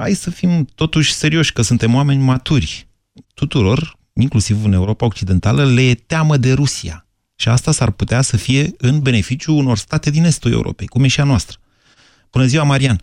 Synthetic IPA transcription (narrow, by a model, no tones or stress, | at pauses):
ha̰jsəfimt̪o̞t̪uʃʲse̞ɾio̞ʃʲkəsunt̪e̞moame̞nʲmat̪urʲ | t̪ut̪uɾo̞r | iŋklusivɨne̞uɾo̞paok̚t͡ʃid̪e̞nt̪aləle̞t̪eaməd̪e̞ɾusia̰ | ʃiast̪asarput̪easəfije̞ɨnbe̞ne̞fit͡ʃijuːno̞rst̪at̪e̞d̪ine̞st̪ulḛṵɾo̞̰pe̞jkumeʃianoast̪ɾə̥ | b̥unəziwamaɾian